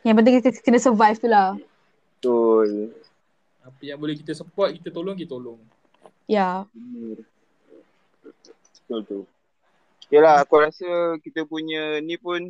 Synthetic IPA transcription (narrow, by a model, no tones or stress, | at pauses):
jãŋpənt̪ɪŋkənəsəvajft̪ula | ət̪ul | apəjaŋbolɛhki̥t̪əsəpɔt̪̚kit̪ət̪olɔŋk̬it̪t̪olɔŋ | jabənər | bət̪ult̪ul | kelahakoɾasəkit̪əpuɲənipʊn